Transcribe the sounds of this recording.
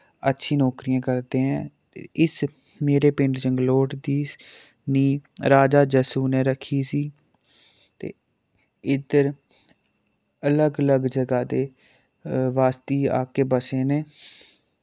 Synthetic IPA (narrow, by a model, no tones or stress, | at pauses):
ətːʃʰiːnɔːkɾiːãːkəɾd̪ẽːɦɛ̃ː | ɪs | meːɾeːpɪ̃ɳɖd͡ʒəŋɡloːʈd̪iː | niːɾaːd͡ʒaːd͡ʒəsuːnɛ̃ːɾəkʰːiːsiː | t̪ḛː | ɪd̪əɾ | ələɡələɡd͡ʒəɡaːd̪eː | ʋaːst̪iːa̰ːkeːbəseːneː